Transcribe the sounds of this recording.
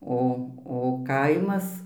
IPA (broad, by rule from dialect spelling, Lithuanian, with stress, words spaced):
ˈoː oː ˈkɐɪmɐs